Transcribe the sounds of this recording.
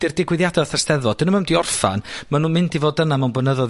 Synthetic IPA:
d̥ɪrdɪɡwɪðjadɛθɛstɛðɔd̥ənəməndiɔrfa̰nmanuːnmɪndʰivoːdənamawnbənəðɔð

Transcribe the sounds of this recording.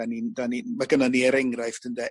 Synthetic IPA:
anindanimaɡənaniəɾɛŋraɨθd̥əndɛ

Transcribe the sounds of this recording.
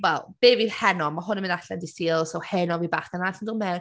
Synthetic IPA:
wɛlˠb̥eːvi̥hɛnɔmaɦʊnmɪnaɬɛndɪsiːlˠsɔwhɛnɔvibaχənaɬandɪlˠmɛwn

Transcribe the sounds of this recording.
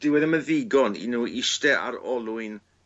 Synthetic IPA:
d̥ɪwɛðəmənðɪɡɔnḭnuɪʃtɛʔa̰ɾɔlˠʊɨn

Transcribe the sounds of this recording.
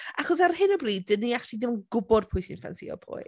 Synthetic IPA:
ʔaχɔs̬arhɪnɔbriːddəniaχtidɪmənɡʊbɔd̥̚pʰʊjsinfa̰nsḭɔ̰pʰʊ̰j

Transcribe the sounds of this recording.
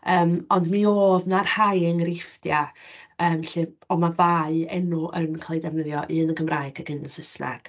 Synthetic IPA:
əːmɔndmioːðnarhajəŋrɪfdjaəːmɬɨɔmaðaɨɛnʊʔənkʰlˠejdɛvnəðjɔʔɨənəɡʰəmraɨɡ̥aɡɨnəsəsna̰ɡ̥

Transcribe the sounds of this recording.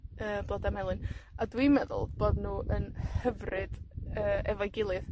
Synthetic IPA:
əːblˠɔdamɛlˠɨnadwimɛðʊ̰lˠb̥oːdnuːʔənhhəvrɨd̥əːɛvajɡɪlˠɨð

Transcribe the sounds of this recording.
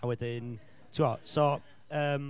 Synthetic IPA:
awɪðɪn | tʰuɔʔso | əm

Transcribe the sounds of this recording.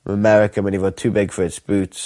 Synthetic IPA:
məmɛɹɪkəmɛ̃nivətʰʉːbɪɡ̥fəɹɪtsb̥ʉːˑts

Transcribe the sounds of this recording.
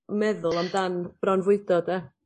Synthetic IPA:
mɛðʊlˠamdanb̥rɔnvʊɨdɔdɛ

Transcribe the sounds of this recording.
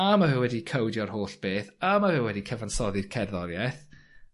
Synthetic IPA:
amavɛwɛdikʰəwdjɔrhoːɬb̥eːθamavɛwɛdikʰɛvansɔðɪ̥kʰɛrðɔɾjɛθ

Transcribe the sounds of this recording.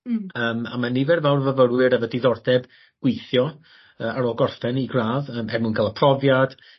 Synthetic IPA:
əːma̰manivɛrvawrvəvəɾwɨɾəvədiðɔrdɛb | ɡ̥wejθjɔ | əːʔaɾɔɡɔrfɛniɡraːðəːmɛrmunkʰalˠəpʰrɔvjad̥

